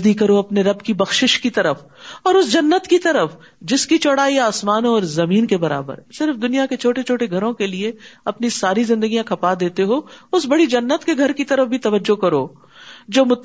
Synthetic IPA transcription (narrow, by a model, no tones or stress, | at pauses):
d̪ikɐɾoɐpneɾɐbkibɐxʃɪʃkit̪ɐɾəf | ɔːɾʊsd͡ʒɐnːət̪kit̪ɐɾəf | d͡ʒɪskit͡ʃɔːɽaːiaːsmaːnõɔːɾzɐmiːnkebɐɾa̰ːbə̰ɾsɪɾfd̪ʊnijaket͡ʃʰoːʈet͡ʃʰoːʈeɡʱɐɾõkelieɐpnisaːɾizɪ̃nd̪əɡijãkʰɐpad̪eːt̪eɦoːʊsbɐɽid͡ʒɐnːət̪keɡʱɐɾkit̪ɐɾəfbʱit̪ɐʋəd͡ʒːokɐɾoː | d͡ʒoːmʊt̪